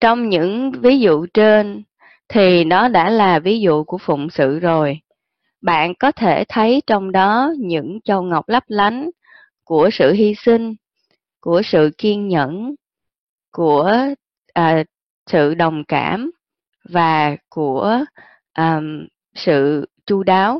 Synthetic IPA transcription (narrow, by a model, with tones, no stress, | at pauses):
t͡ɕɔ˧wŋ͡mɲɨ̰˧˥ŋvi˨˦zṵ˧˨t͡ɕe˧n | t̪ʰi˨˩ɗɔ˨˦ɗa̰ː˧˥laː˨˩vi˨˦zṵ˧˨ku˧˩əfʊ̰˧˨ŋ͡msɨ̰˧˨zo˨˩j | ɓa̰ː˧˨nkɔ˨˦t̪ʰe˧˩t̪ʰə˨˦jt͡ɕɔ˧wŋ͡mɗɔ˨˦ɲɨ̰˧˥ŋt͡ɕə˧˩wŋa˨˩wk͡p̚la˦˥p̚la˨˦jŋ̟ | ku˧˩əsɨ̰˧˨ɦi˧sï˧ŋ̟ | ku˧˩əsɨ̰˧˨ki˧ənɲə̰˧˥˨n | ku˧˩ə | ʔəː˨˩ | sɨ̰˧˨ɗə˨˩wŋ͡mka̰ː˧˩m | vaː˨˩ku˧˩ə | ʔəː˧˩m | sɨ̰˧˨t͡ɕu˧ɗaː˨˦w